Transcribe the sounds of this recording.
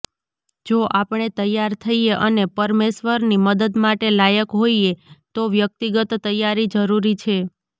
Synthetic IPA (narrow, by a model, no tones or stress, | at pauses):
d͡ʒoʔapɳ̃et̪əjːaɾt̪ʰəieʔənepəɾmeʃʋəɾniməd̪əd̪maʈelajəkɦoiet̪oʋjək̚t̪iɡət̪ːəjːaɾid͡ʒəɾuɾit͡ʃʰe